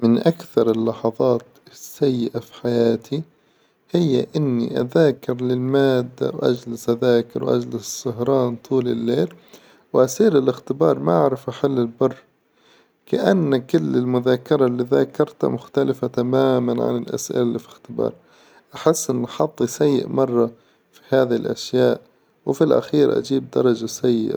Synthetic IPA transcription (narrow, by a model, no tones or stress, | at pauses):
mɪnʔakθɑɾˤɪlːɑħɑðˤɑːt̪sːajːɪʔafi̥ħajaːt̪ʰi | hɪjːa̰ʔɪnːḭʔaðaːkɪɾlɪlmaːd̪ːa̰wʔa̰d͡ʒlɪsʔaðaːkɪ̰ɾwʔa̰d͡ʒlɪssːʊɦɾˤɑːnt̪ˤʰuːlɪlːeːl | wʔasiːɾɪlɪxt̪ɪbɑːɾˤmaʔaʕɾˤɪfʔaħɪlːɪlbʊrˤː | kaʔanːkʊlːɪlmʊðaːkɪɾˤɑlːiðaːkɑɾˤt̪a̰mʊxt̪alɪfat̪amaːmanʕa̰nɪlʔa̰sʔɪ̰lalːḭfixt̪ɪbɑ̰ːɾˤ | ʔaħɪsːʔɪnːʔaħɑd̪ˤːisajːɪ̰ʔmɑrˤːɑ | fihaːðlʔa̰ʃjaːʔ | wfilʔa̰xiːɾʔa̰d͡ʒiːb̚d̪ɑ̰ɾˤɑd͡ʒasajːɪ̰ʔa